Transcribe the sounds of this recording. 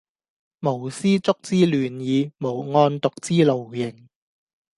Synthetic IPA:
mo˨˩wsiː˥t͡sʊ˥k̚t͡siː˥lyː˨njiː˨˧mo˨˩wŋɔː˧nt̪ʊ˨k̚t͡siː˥lo˨wjɪ˨˩ŋ

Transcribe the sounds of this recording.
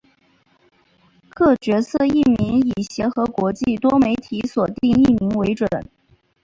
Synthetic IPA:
kʰɤ˥˩t͡ɕɥɛ˧˥sɤ˥˧i˥˩mi˧˥ŋi˨˩ɕjɛ˧˥xɤ˧˥kwɔ˧˥t͡ɕi˥˩t̪wɔ˥me˧˥ɪt̪ʰi˧˥swɔ˨˩t̪i˥˧ŋi˥˩mi˧˥ŋwe˧˥ɪʈ͡ʂwə˨˩˦n

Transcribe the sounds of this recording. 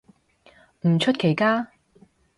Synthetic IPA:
m̩˨˩t͡ʃʰɵ˥t̚kʰe˨˩jkaː˥

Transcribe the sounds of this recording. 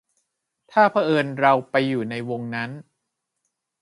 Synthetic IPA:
t̪ʰaː˥˩pʰa˦˥ʔɤː˧nɾa˧wpa˧jːuː˨˩na˧jwo˧ŋna˦˥n

